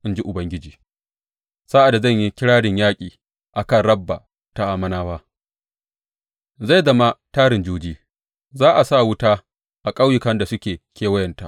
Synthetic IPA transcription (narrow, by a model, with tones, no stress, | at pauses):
ʔɪ˦nd͡ʒi˦ʔʊ˨bɐ˦ŋɡʲɪ˦d͡ʒiː˨ | sa˦ʔa˨da˨zɐ˦˨ɲji˦kʲɪ˦ɽaː˦dɪ˨ɲjaː˦kʲʼiː˨ | ʔa˨kɐ˦˨nɽɐ˦bːa˨ | ta˨ʔa˨mɐ˦naː˦waː˦ | za˦˨jzɐ˦ma˦taː˦ɾɪ˨nd͡ʒuː˦d͡ʒiː˦ | zaː˦ʔa˨sa˦˨wʊ˦taː˦ | ʔa˨kʼa˦wjɪ˨kɐ˦nda˨sʊ˦kʲeː˨kʲʰeː˦wɐ˦jɐ˨nta˨ʔ